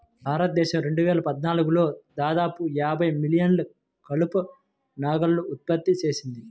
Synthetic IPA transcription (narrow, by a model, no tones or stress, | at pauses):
bʱaːɾɐt̪ɐd̪ɛːʃɐmɾe̞ɳɖuʋɛːlɐpɐd̪naːluɡulo̞ːd̪aːd̪aːpujaːbʱɐjmilijɐnlɐ | kɐlupu | naːɡɐlluːt̪̚pɐt̪ːit͡ʃe̞ːsind̪i